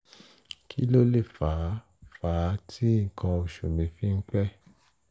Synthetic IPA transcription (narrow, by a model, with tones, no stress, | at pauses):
kʰḭ˦lo˦le˦˨fa˨˦ | faː˨˦tʰi˦ŋ̩˨kʰã˧o˨ʃu˨mĩ˨fi˦ŋ̩˦k͡pɛ˦